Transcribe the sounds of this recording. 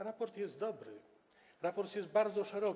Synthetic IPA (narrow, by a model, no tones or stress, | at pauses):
ɾapɔɾt̪jɛst̪̚d̪ɔbɾɘ̰ | ɾapɔɾt̪jɛst̪̚baɾd̪zɔʂɛɾɔ